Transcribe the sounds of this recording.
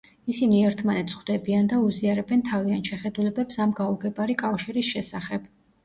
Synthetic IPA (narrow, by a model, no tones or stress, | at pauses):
isiniɛɾt̪ʰmanɛt̪sχwd̪ɛbiand̪auziaɾɛbɛnt̪ʰavianʃɛχɛd̪ulɛbɛpsamɡauɡɛbaɾikʼafʃiɾisʃɛsaχɛb̥